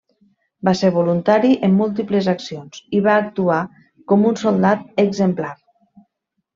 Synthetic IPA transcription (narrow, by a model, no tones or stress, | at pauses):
baseɾβolunt̪aɾiʔəmːulˠt̪̬ipləzaksionz̥iβaːk̚t̪ua | kɔmunsolˠd̪at̪əɡzəmplaɾ